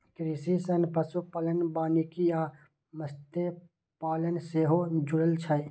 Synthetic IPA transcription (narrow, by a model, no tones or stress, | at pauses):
kɾisisɐnpɐsupɐlənbaːnikijaː | məst̪e | paːlənseːɦod͡ʒʊɽəlt͡ʃʰɐj